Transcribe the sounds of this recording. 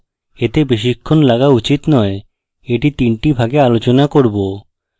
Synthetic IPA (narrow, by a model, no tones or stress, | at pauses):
et̪ebeʃ̬ikʰːonlaɡaut͡ɕit̪nɔe | eʈit̪iɳʈibʱaɡealot͡ɕonakoɾbo